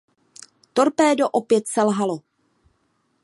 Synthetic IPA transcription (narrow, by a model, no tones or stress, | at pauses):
t̪o̞ɾpɛːdoʔopjɛt̪sɛlɦalo̞